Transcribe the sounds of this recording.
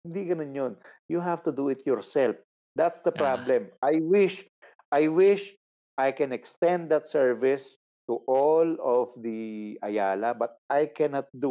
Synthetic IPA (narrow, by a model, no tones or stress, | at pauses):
hɪnd̪ikɐnonjonjuɦaft̪ud̪uɪt̪̚ʰjɔɹsɛlf | d̪at̪sd̪ɐpɹablɛ̃mʔajwɪʃ | ʔajwɪʃ | ʔajkɛ̃nɛkst̪ɛ̃nd̪̚d̪ɐt̪̚sɛɹvɪs | t̪uʔɔlɔfd̪iʔɐjaːlɐbɐt̪̚ʔajkɛnat̪̚d̪u